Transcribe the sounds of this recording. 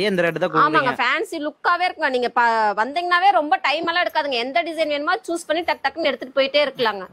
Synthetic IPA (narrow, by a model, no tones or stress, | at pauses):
eɛnd̪ɐɾeʈːɯt̪ãkuːaːmaːŋɡɐfaːnsilʊkːaːʋeːɾɯkːɯːŋɡɐniːŋɡɐpɐʋɐnd̪iːŋɡɐnaːʋeːɾɔmbɐʈɐɪmɛlaːɛɽɯkːaːðɯŋɡɐɛnd̪ɐɖɪsɐɪnʋeːnɯmaːɯt͡ʃuːspɐɳːiʈɐk̚ʈ̪aːkːɐmnɛɽɯt̪ːɯʈːɯ̥poːjɪʈːeːɪɾɯkːɐlaːŋɡɐ